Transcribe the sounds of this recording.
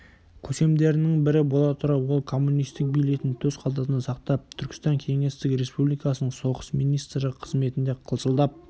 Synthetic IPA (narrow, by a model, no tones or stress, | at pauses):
kʲʰɵse̞md̪e̞ɾɪnɪŋbɪɾɪbo̞lˠɑt̪ʰʊɾɑwwo̞lˠkʰo̞mːunijst̪ɪk̚bijle̞t̪ɪnt̪ʰɵzqʰɑlˠd̪ɑt̪ənsɑqt̪ɑp̚t̪ʰʏɾkʲɪ̥st̪ɑŋkʲʰe̞ŋe̞st̪ɪkɾe̞spublijkɑsənəɴso̞ʁəsmijnijst̪ɾəqʰəzme̞t̪ɪnd̪e̞qʰəlˠsəlˠd̪ɑp̚